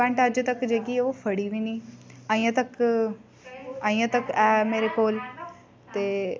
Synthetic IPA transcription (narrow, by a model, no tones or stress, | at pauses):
ɛ̃ːɳʈəd͡ʒt̪əkd͡ʒeːɡiːofʰəɽiʋĩːnd̪iːãːĩːãːt̪ək | aːĩːãt̪əkɛːmeːɾekoːl | t̪eː